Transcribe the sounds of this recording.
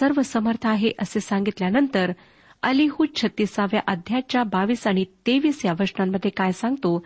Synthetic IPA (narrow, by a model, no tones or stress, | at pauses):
səɾʋəsəməɾt̪ʰəaɦeʔəsesaŋɡit̪ljanənt̪əɾ | əliɦut͡ɕʰət̪ːisaʋjaʔəd̪ʱjat͡ɕjabaʋiːsaɽ̃it̪eʋiːsjaʋəsɳamːəd̪ʱːjekajsãŋɡ̚t̪o